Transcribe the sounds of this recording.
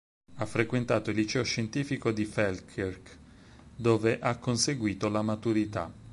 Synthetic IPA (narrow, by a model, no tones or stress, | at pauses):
afːɾekwent̪aːt̪oilːit͡ʃɛːoʃːent̪iːfikod̪ifɛlkʰerk | d̪oːveʔakːonseɡwiːt̪olamat̪uɾit̪a̰